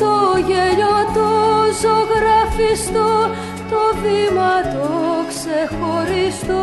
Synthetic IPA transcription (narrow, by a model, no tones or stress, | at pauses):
t̪oʝeʎot̪ozoɣɾɐfist̪o | t̪ovimɐt̪oksexoɾist̪u